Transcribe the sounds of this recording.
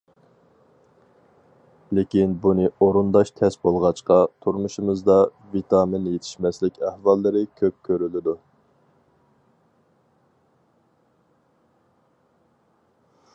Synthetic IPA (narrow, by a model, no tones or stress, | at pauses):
lɪkʲinbunɨoɾund̪ɑʃt̪ʰɛsbolˠʁɑt͡ʃqɑt̪ʰuɾmuʃumɨzd̪ɑ | vit̪ʰɑmɪnjet̪ʰɪ̥ʃmɛslɪkʲæhvɑlˠːɨɾɪkʲʰøp̚kʲʰøɾylɪd̪u